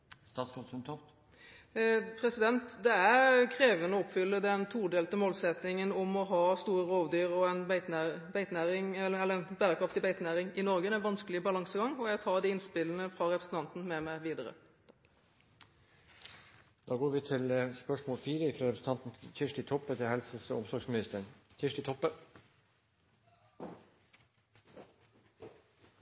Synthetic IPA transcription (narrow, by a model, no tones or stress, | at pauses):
st̪ɑːskɑɔmt̪ʰɔft̪ | pʰɾɛsɪd̪ɛnt̪d̪ɛæɾkʰɾeːʋənəɔɔpfʏlːəd̪ɛnt̪ʰuːɾɖ̪eːlt̪əmoːlsɛt̪nɪŋənʊmɔɦɑːst̪uːɾəɾoːʋd̪yːʁɔɛnbæɪt̪næbæɪt̪næːɾɪŋɛlːəɛlːəɛnbæːɾəkʰɾɑft̪ɪbæɪt̪næːɾɪŋɪnɔɾɡəæɪʋɑnskəlɪbɑlɑŋsəɡɑŋɔjæt̪ʰɑːd̪ɪɪnspɪlːənəfɾɑɾɛpɾəsən̩t̪ɑnt̪n̩mɛmæɪʋiːd̪əɾə̰ | d̪̥ɑːɡoːɾʋɪːt̪ʰɪləspœʂmoːlfiːɾəɪfɾɑɾɛpɾəsn̩t̪ʰɑnt̪n̩çɪʂʈɪt̪ʰɔpːət̪ʰɪlhɛlsəsɔɔmsɔɾɡsmɪnɪst̪əɳçɪʂʈɪt̪ʰɔpːə